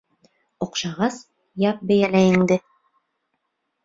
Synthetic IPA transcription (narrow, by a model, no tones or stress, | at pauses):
ŏqʃɑʁɑs | jɑp̚bæjælæjɘ̆ŋd̪ɘ